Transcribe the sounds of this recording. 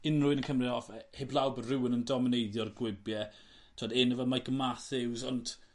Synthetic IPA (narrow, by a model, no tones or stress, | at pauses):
ɪnrʊɨnənkʰəmriɔfɛheblˠawbədrɪwənəndɔmɪnejðjɔrɡwɪbjɛ | tʰɔdɪnəvamaɡəmaθɪwzɔntʰ